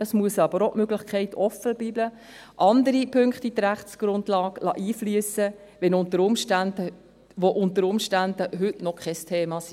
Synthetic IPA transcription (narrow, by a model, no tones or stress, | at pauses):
ɑsmuəsɑbəɾoʔmøɡlɪχkʰɛɪtɔfəb̥iblə | ʔɑndəɾipʰøŋktidɾæχtsɡ̥ɾʊndlɑːklɑ̰ʔiːflyəsə | ʋɛnʊntəɾʊmʃtændə | ʋoʔʊntəɾʊmʃtænd̥əɦʏtnɔkʰɛstʰeːmɑsi